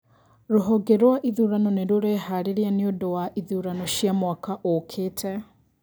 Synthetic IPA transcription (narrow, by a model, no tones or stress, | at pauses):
ɾoɦɔɡeɾwaʔiðuɾanɔneɾoɾeɦaɾeɾianiodowaʔiðuːɾanɔʃjamwakaʔokʰetʰɛ